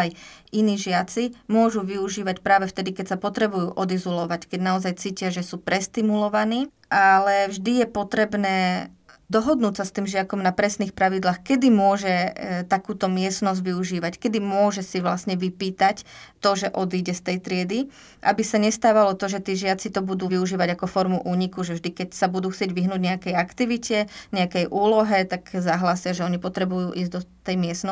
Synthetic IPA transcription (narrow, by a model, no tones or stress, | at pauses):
jiniːʒɪat͡simʊɔʒuʋiuʒiːʋacpɾaːʋɛft̪ɛd̪ikɛcsapɔt̪ɾɛbujuːʔɔd̪izɔlɔʋackɛɟnaɔzajt͡siːcɪaʒɛsuːpɾɛst̪imulɔʋaniː | ʔalɛvʒd̪ijɛpɔt̪ɾɛbnɛː | d̪ɔɦɔd̪nuːcsast̪iːmʒɪakɔmnapɾɛsniːxpɾaʋid̪laːxkɛd̪imʊɔʒɛt̪akuːt̪ɔmɪɛsnɔzɟʋiuʒiːʋackɛd̪imʊɔʒɛsiʋlasɲɛʋipiːt̪act̪ɔʒɛʔɔd̪iːɟɛst̪ɛjt̪ɾɪɛd̪i | ʔabisaɲɛst̪aːʋalɔt̪ɔʒɛt̪iːʒɪat͡sit̪ɔbud̪uːʋiuʒiːʋaɟakɔfɔɾmuʔuːɲikuʒɛvʒd̪ikɛcsabud̪uːxt͡sɪɛɟʋiɦnuːɟɲɛakɛjakt̪iʋicɛɲɛakɛjʔuːlɔɦɛt̪akzaɦlaːsɪaʒɛɔɲipɔt̪ɾɛbujuːʔiːzd̪ɔt̪ɛjmɪɛsnɔ